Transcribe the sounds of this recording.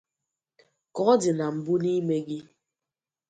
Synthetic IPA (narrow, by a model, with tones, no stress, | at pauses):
kɔ˨ɔ˦di˨na˨m̩˨bu˦ni˦me˦ɡi˦